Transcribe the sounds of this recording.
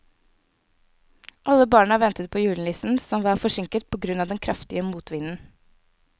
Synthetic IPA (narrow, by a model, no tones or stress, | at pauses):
ʔɑləbɑːɳɑʋɛnt̪ət̪̚pʰoːjʉːln̩lisn̩sɔmʋɑːɾfɔʂɪŋkət̪̚pʰoːɡɾʉnɑʋd̪ɛnkʰɾɑft̪ɪəmuːt̪ʋɪnn̩